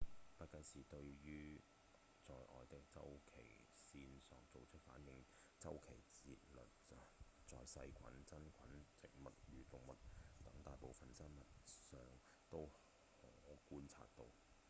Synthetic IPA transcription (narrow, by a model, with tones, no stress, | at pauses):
pɐ˨˥kɐ˧nsiː˨˩t̪ɵ˧ɥjyː˥ | t͡sɔː˧jʔɔ̰ː˨jt̪ɪ˧k̚t͡sɐ̰˥wkʰe˨˩j | siː˧nsœː˨˩ŋt͡so˨wt͡sʰɵ˥t̚faː˨˥njɪ˧ŋ | t͡sɐ˥wkʰe˨˩jt͡sḭː˧t̚lɵ̰˨t̚ | t͡sɔː˨jsɐ˧jkʷʰɐ̰˨˥nt͡sɐ˥nkʷʰɐ˨˥nt͡sʰɪ˨ŋmɐ˨t̚jyː˨˩t̪ʊ˨ŋmɐ˨t̚t̪ɐ˨˥ŋt̪aː˨jpo˨wfɐ˨nsɐ˥nmɐ˨t̚sœː˨ŋ | t̪o˥w | hɔː˨˦kuː˥nt͡sʰa̰ː˧t̚t̪o˧w